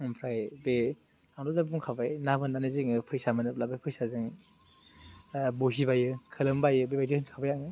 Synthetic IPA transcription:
ɯmpʰɾajbe | aŋdɔzabbuŋkʰabajnabɯnːanɯziŋɯpʰɯɾjsamanɯp̚labajpʰɯjsazɯŋ | boɦibajɯkʰɯlɯmbajɯbebajdihɯnkʰabajaŋɯ

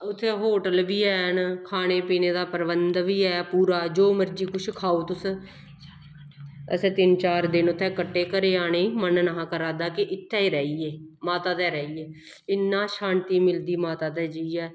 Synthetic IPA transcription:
ʊt̪ʰːeːɦoːʈəlʋiːɛːnkʰaːñeːpiːneːd̪aːpəɾʋənd̪ʋiːɛːpuːɾaːd͡ʒoːməɾd͡ʒiːkʊʃʰkʰaːoːt̪ʊs | ə̰seːt̪ɪnt͡ʃaːɾd̪ɪnʊt̪ʰːɛːkəʈːeːkəɾeːaːɽ̃eːmənnəɦãːkəɾaːd̪aːkɪʔɪt̪ʰːɛːiːɾɛːiːɛːmaːt̪aːt̪ɛːɾɛːiːɛː | ɪnːaːʃaːnt̪iːmɪld̪iːmaːt̪aːt̪ɛːd͡ʒəiːɛː

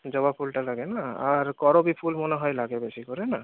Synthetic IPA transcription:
d͡ʒɔbapʰulʈalaɡenaaɾkɔɾobipʰulmoneɦɔjlaɡebesikɔɾena

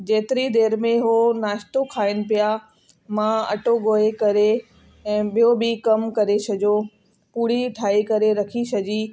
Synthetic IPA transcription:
d͡ʑeːt̪ɪɾid̪eːɾmẽɦonaːʃt̪okʰaːɪnɪ̆pija | mãɐ̰ʈoɡoːekɐɾe | ɛ̃ːɓijobɪkɐmkɐɾesɐd͡ʑo | puːɽ̤iʈʰaːikɐɾeɾɐkʰisɐd͡ʑi

